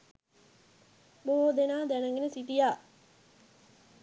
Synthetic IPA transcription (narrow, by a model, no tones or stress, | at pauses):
boːd̪enaːd̪ænəŋɡenesiʈijaː